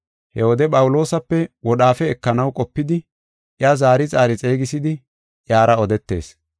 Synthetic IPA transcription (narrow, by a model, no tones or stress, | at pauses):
hɛwɔd̪ɛpʼɐwʊlo̞ːsɐpːɛwɔɗaːfɛːkːɐnɐwkʼɔpːɪd̪ɪ | ʔjazaːɾɪt͡sʼaːɾɪt͡sʼe̞ːɡɪsɪd̪ɪ | ʔjaːɾɐɔd̪ɛt̪ːe̞̰ːs